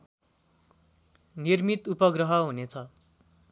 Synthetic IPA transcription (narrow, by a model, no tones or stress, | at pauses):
nirmit̪upʌɡrʌɦʌɦunet͡sʰʌ